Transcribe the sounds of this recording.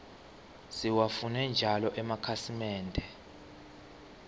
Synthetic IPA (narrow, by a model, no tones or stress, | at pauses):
siwafunɛnd͡ʒʱalɔʔɛmakʰasimɛːndʱɛ